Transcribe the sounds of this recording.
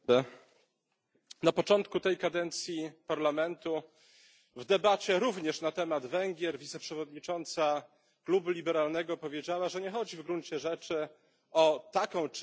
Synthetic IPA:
napɔt͡ʂɔnt̪kut̪ɛjkad̪ɛnt̪sʲjipaɾlamɛnt̪u | vd̪ɛbat͡ɕɛɾuvɲɛʂnat̪ɛmad̪vɛŋɡʲjɛɾvʲit̪sɛpʂɛvɔd̪ɲit͡ʂɔnt̪sa | klubulʲibɛɾalnɛɡɔpɔvʲjed͡ʑawaʐɛɲɛxɔd͡ʑivɡɾuɲt͡ɕɛʐɛt͡ʂɘ | ɔt̪akɔ̃w̃t͡ʂ

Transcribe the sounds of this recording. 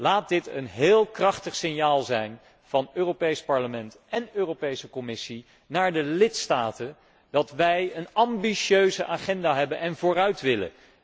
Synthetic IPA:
laːt̚dɪtə̰nɦɪːlˠkrɑχtəχsɪnjaːlˠzɛjn | v̥ɑnøːropejspɑɹləmɛntʔɛnøːrowpejsəkɔmɪsi | naːɹdəlɪtstaːtən | d̥ɑtʋɛjənɑmbiʃøɥzəʔaːχɛndaːɦɛbənɛnvʊːrœɥtʋɪlə̰n

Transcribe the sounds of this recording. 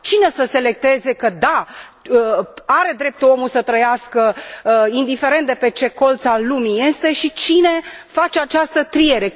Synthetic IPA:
t͡ʃine̞səse̞le̞k̚t̪e̞ze̞kəd̪a | əaɾe̞d̪ɾe̞p̚t̪uo̞musət̪ɾəjaskəind̪ife̞ɾe̞nt̪̚d̪epe̞t͡ʃe̞ko̞lt̪salumije̞st̪e̞ʃit͡ʃine̞fat͡ʃeat͡ʃast̪ət̪ɾie̞ɾe̞

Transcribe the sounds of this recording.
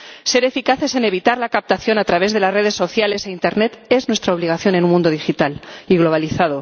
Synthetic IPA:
se̞ɾe̞fikaθe̞se̞ne̞β̞it̪aɾlakap̚t̪aθjo̞nat̪ɾaβ̞e̞zðe̞lazre̞ðe̞sːo̞θjale̞seint̪e̞ɾne̞t̪e̞znwe̞st̪ɾaoβ̞liɣ̞aθjone̞nũmũnd̪o̞ðixit̪aliɣlo̞β̞aliθað̞o̞

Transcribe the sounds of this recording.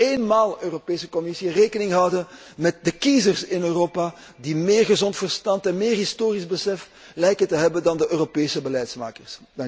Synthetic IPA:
eːnmaːlˠøːropeːsəkɔmɪsireːkənɪŋɦʌwdə | mɛt̚dəkizərsɪnøːroːpaː | dimeːrɣəzɔntfərstɑntɛnmɪːrɦɪstoːrizbəsɛf | lɛjkətəɦɛbəndɑndəʔøːropeːsəbəlɛjtsma̰ːkərsdŋ

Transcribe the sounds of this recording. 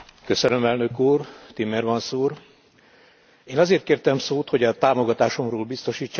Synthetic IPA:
kø̞sønømɛlnø̞kuːrt̪imɛrʋɒnsuːr | eːnɒzeːrt̪̚keːrt̪ɛmsoːt̪ho̞ɟɒt̪aːmo̞ɡɒt̪aːʃo̞mroːlbist̪o̞ʃiːt͡ʃːa

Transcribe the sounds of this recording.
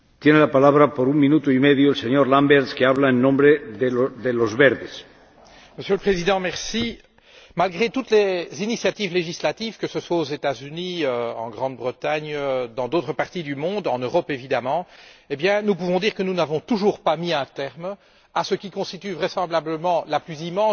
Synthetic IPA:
t̪jenelapalaβɾapoɾuŋmĩnut̪oimeðjoelseɲoɾlambɛɾskeaβlaenːɔ̃mbɾeðeðelozβeɾðes | məsjøləpχezid̪ɑ̃mɛʁsi | malɡʁet̪ut̪lezinisjat̪ivleʒislat̪ivkəsəswaozet̪azyniøɑ̰̃ɡʁɑ̃d̪̚bʁət̪aɲød̪ɑ̃d̪ot̪χəpaʁt̪id̪ymɔ̃d̪ɑ̃nøʁɔpevid̪amɑ̃ebjɛ̃nup̬uvɔ̃d̪iːʁkənunavɔ̃t̪uʒuːʁpamiɛ̃t̪ɛʁm | asəkʲikɔ̃st̪it̪yvʁesɑ̃blabləmɑ̃laplyzimɑ̃

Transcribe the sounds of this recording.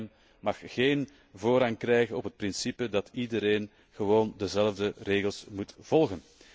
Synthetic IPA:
n | mɑxːeːn | voːɾɑŋkrɛjɣənɔpɦət̚prɪnsipədɑtidəɾeːn | ɣəʋoːndəzɛləvdəreːɣəlˠsmutv̥ɔlˠɣən

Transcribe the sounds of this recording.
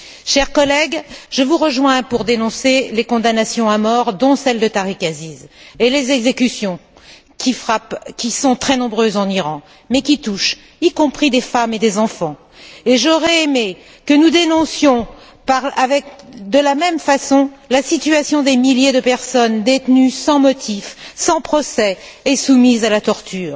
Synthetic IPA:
ʃɛʁkɔlɛɡʒəvuʁəʒwɛ̃puʁd̪enɔ̃selekɔ̃d̪anasjɔ̃amɔʁd̪ɔ̃sɛld̪ət̪aʁikazizelezɛɡzekʲysjɔ̃ | kʲifapkʲisɔ̃t̪χɛnɔ̃bʁøzɑ̃niʁɑ̃ | mɛkʲit̪uʃ | ikɔ̃pχid̪efamed̪ezɑ̃fɑ̃ | eʒɔʁɛeme | kənud̪enɔ̃sjɔ̃ | paʁavɛkd̪əlamɛmfasɔ̃lasit̪yasjɔ̃d̪emiljed̪əpɛʁsɔnd̪et̪nysɑ̃mɔt̪ʰifsɑ̃pχɔsɛːsumizalat̪ɔʁt̪yːʁ

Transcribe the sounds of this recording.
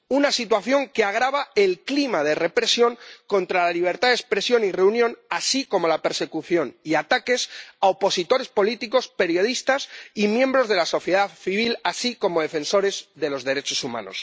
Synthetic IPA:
unasit̪̬waθjo̞ŋkeaɣ̞ɾaβaelklimaðe̞re̞pɾe̞sjo̞ŋko̞nt̪ɾalaliβ̞e̞ɾt̪aðespɾe̞sjo̞nire̞unjonasiko̞mo̞lape̞ɾse̞kuθjo̞niat̪ake̞saopo̞sit̪o̞ɾe̞spo̞lit̪iko̞spe̞ɾjo̞ð̞ist̪asimjẽmbɾo̞zðe̞laso̞θjeðaθiβ̞ilasiko̞mo̞ð̞e̞fẽ̞nso̞ɾe̞zðe̞lo̞zðeɾe̞t͡ʃo̞sumã̰no̞̰s

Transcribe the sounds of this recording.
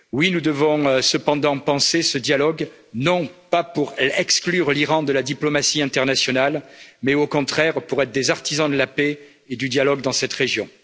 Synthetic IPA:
winud̪əvɔ̃səpɑ̃d̪ɑ̃pɑ̃sesəd̪jalɔɡ | nɔ̃papuʁɛksklyʁliʁɑ̃d̪əlad̪iplɔmasiɛ̃t̪ɛʁnasjɔnalmɛokɔ̃t̪χɛʁpuʁɛt̪χd̪ezaʁt̪izɑ̃d̪əlape | ed̪yd̪jalɔɡd̪ɑ̃sɛt̪ʁeʒjɔ̃

